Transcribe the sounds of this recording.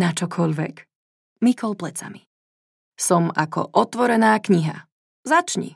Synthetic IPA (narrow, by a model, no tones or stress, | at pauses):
nat͡ʃɔkʰɔʎʋɛk | mikɔlplɛt͡sa̰mi | sɔmakɔ̰ʔɔt̪ʋɔɾɛnaːkɲiɦa̰ | zat͡ʃɲḭ